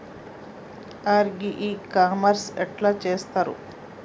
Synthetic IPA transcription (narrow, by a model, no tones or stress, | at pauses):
aːɾɡiʔiːkaːmɐɾsɛʈlaːt͡ʃeːst̪aːɾṵ